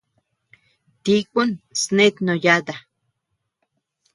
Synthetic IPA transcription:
t̪ikʷunsnet̪nojad̪a

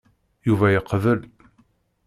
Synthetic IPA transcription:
juvæjəqːvəl

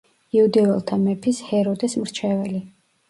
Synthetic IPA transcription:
iud̪ɛvɛlˠt̪ʰamɛpʰishɛɾɔd̪ɛsmɾt͡ʃʰɛvɛli

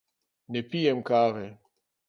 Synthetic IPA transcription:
nɛpijɛmkaːvɛ

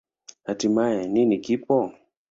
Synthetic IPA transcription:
hatimajɛninikipɔ

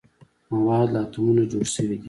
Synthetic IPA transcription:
mawɑːd̪laːt̪umunad͡ʒoːɽsəwid̪i

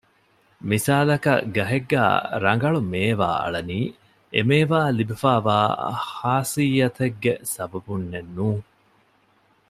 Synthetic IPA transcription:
misaːlɐkɐ̰ɡɐɦeɡːæ̰ːɾɐŋɡɐɭumeːʋa̰ːɐ̰ɭɐniː | ḛmeːʋaːlibifaːʋa̰ːhaːsijɐt̪eɡːesɐbɐbunːenːuːŋ

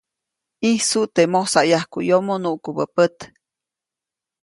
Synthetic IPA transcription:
ihsuʔt̪emosajahkujomonuʔkubəpət̪

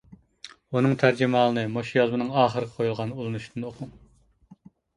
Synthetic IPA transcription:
unɨŋt̪ʰæɾd͡ʒɪmɑːlˠɨnɨmoʃijɑzˠmɨnɨŋɑːχəɾəqʰə̥qʰojulˠʁɑnulˠɨnuʃd̪ɨnoqʰʊŋ

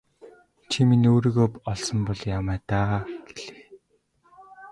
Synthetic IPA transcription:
t͡ɕʰiminoːɾiːɣoːpɔɮsɞ̆mpɔɮjamæːt̪aːɡ̥eɮe̥x

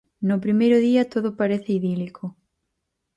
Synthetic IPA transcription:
nʊpɾimejɾʊðiɐt̪oðʊpaɾeθɪiðilikʰo

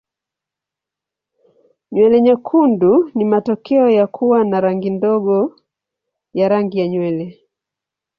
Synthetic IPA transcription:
ɲwɛlɛɲakʰundunimatɔkɛɔjakʰuwanaɾaŋɡindɔɡɔ | jaɾaŋɡijaɲwɛlɛ

